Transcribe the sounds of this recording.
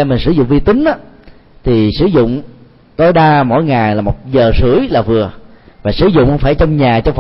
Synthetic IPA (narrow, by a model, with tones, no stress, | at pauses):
ɛ˧mï˨˩n̟sɨ˧˩˦zʊ̰˧˨ŋ͡mvi˧t̪ï˨˦ŋ̟ʔaː˨˦ | t̪ʰi˨˩sɨ˧˩˦zʊ̰˧˨ŋ͡m | t̪o˧jɗaː˧mo̰˧˥˨jŋaː˨˩jlaː˨˩mo˨˩t̚zəː˨˩sɨ˧˦əjlaː˨˩vɨ˨˩əvaː˨˩sɨ˧˦zʊ̰˧˨ŋ͡mŋfaː˧˩jt͡ɕɔ˧wŋ͡mɲaː˨˩t͡ɕɔ˧wŋ͡mf